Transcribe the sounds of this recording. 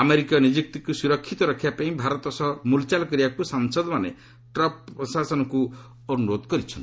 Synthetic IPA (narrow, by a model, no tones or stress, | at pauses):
ameɾikanid͡ʒik̚t̪ikusuɾɔkʰːit̪ɔɾɔkʰːjapaĩbʱaɾɔt̪ɔsɔmult͡ʃalkɔɾibakusaŋsɔd̪ɔmanḛ | ʈɾɔpɔsasɔnɔku | ɔnuɾod̪kɔɾit͡ʃʰɔni